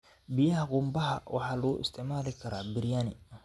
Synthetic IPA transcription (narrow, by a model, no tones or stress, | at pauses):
bijɐɦɐqʊmbɐɦɐwʔɑ̰ħɑːlɐʊʔɪ̰st̪ʰɛʔmaːlɪkʰɐɾaːbɪɾjaːnɪ